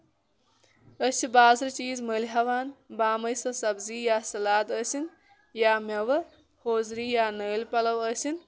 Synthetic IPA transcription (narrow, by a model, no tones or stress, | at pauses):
əsʰibaːzɾt͡ʃiːzməliɦɐʋaːnbaːmɐjsɐsɐbziːjaːsɐlaːd̪əsin | jaːmɐʋɐ | hoːzɾiːjaːnəːlpɐlɐwəsin